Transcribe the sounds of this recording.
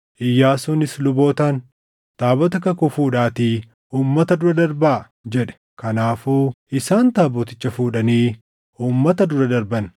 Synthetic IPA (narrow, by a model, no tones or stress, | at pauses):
ʔɪjːaːsuːnɪslʊbo̞ːt̪aːn | t̪aːbɔt̪ɐkɐkʊfuːᶑaːt̪iː | uːmːɐt̪ɐd̪ʊɾɐd̪ɐɾba | d͡ʒɛᶑɛ̥ | kɐnaːfuː | ɪsaːnt̪aːboːt̪ɪt͡ʃːɐfuːᶑɐniː | uːmːɐt̪ɐd̪ʊɾɐd̪ɐɾbɐn